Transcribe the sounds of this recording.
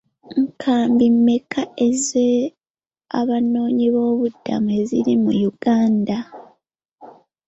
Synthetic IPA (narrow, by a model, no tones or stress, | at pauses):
ŋkʰaːmbimːe̞kʰae̞ze | a̰βano̞ːɲiβo̞ːβudːa̰mue̞ziɾimujuɡ̥aːnda